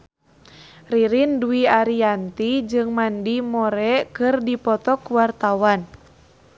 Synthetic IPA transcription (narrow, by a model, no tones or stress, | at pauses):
riɾinduiaɾiant̪id͡ʒɨŋmandimɔɾɛkɨrdipɔt̪ɔkuwart̪awan